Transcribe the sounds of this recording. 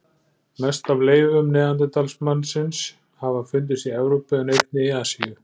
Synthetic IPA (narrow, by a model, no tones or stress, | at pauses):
mɛst̪avleːjvʏmnɛːðant̪̬ɪt̪alsmanːsɪns | havafʏnt̪̬ɪst̪iɛvɾowpɪɛnejt̪̚nɪiasḭjʏ